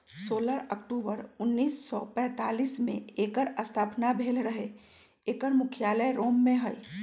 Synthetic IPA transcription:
soːləɾək̚ʈuːbəɾʊnːiːsːɔpɛ̃ːt̪aːliːsmḛ̃eːkəɾəst̪ʰaːpnabʱeːlɾəɦe | eːkəɾmʊkʰjaːləjɾoːmːẽɦəi

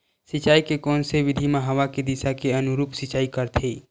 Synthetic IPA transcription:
sɪt͡ʃaːikekɔːnseʋɪd̪ʱimaɦəʋaked̪ɪsakeənʊɾuːpsɪt͡ʃaːikəɾt̪ʰeː

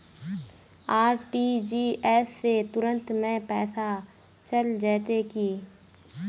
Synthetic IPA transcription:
aːɾʈid͡ʒiːɛːsːet̪ʊɾə̃nt̪mẽpɛːsa | t͡ʃəld͡ʒɛːt̪ekiː

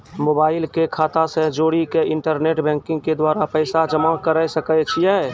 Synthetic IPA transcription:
moːbaːɪlkekʰaːt̪asẽd͡ʒoːɽikeɪɳʈəɾneʈbɛ̃ŋkɪ̃ŋɡ̚ked̪waːɾapəjsad͡ʒəmakəɾəjsəkət͡ʃʰijɛ

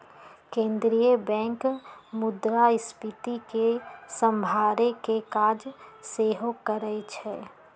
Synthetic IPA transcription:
kẽːnd̪ɾijəbɛ̃ːŋkmʊd̪ɾaɪspɪt̪ikesə̃mbʱaːɾekekaːd͡ʒseːɦokəɾəet͡ʃʰɛː

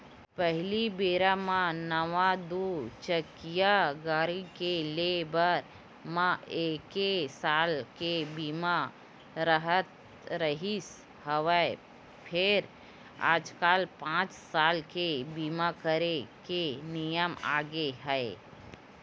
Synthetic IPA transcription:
pəɦɪlibeːɾamãnəʋad̪uːt͡ʃəkijaɡaːɾikelebəɾ | mãeːkesaːlkebiːma | ɾəɦət̪ | ɾəɦis | həʋə | pʰɪɾ | a̰ːd͡ʒkaːlpãːt͡ʃsaːlkebiːmakəɾekenijəma̰ːɡeɦɛe

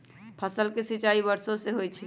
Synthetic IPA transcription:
pʰəsəlkesit͡ʃaibəɾsoseɦojt͡ʃʰil

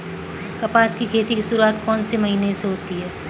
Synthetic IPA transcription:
kɐpaːskikʰeːt̪ikisʊɾuat̪kɔːnsemɐɦineseɦoːt̪iɦɛː

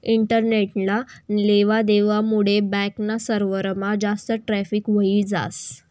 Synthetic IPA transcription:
iɳʈəɾneʈlaleʋad̪eʋamuɽebɛ̃knasəɾʋəɾmad͡zast̪əʈɾæfiːkʋəiːd͡za̰s

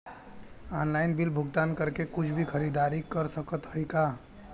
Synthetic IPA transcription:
anlaɪnbilbʱʊɡt̪ankəɾkekʊt͡ʃʰbʱikʰəɾid̪aɾikəɾsəkət̪həjka

